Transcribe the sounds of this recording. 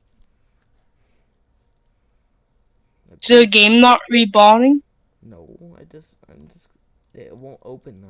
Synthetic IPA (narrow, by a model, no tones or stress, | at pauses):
dəəɡẽmnɔʔɹibɔlɪ̃ŋ | noʊ | aɪd͡ʒʌstãɪ̃md͡ʒʌs | ewõntoʊpə̃n